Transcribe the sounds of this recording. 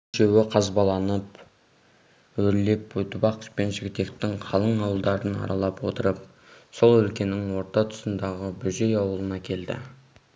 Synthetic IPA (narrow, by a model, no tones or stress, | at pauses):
ʒewɪqʰɑzbɑlˠɑnəp | wɵɾle̞pwɵt̪ɪbɑqə̥spe̞nʒɪɡʲɪt̪e̞k̚t̪ɪŋqʰɑlˠəɴɑwəlˠd̪ɑɾənɑ̰ɾɑlˠɑpwo̞̰t̪əɾəp̚ | so̞lˠɵlkʲe̞nɪŋwo̞ɾt̪ɑt̪ʰʊ̥sənd̪ɑʁəbʏʒe̞jɑwəlˠənɑkʲʰe̞ld̪ɪ̰